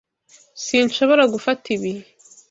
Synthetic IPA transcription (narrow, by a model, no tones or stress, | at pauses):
siːnʃo̞βo̞ɾaɡufatiβihe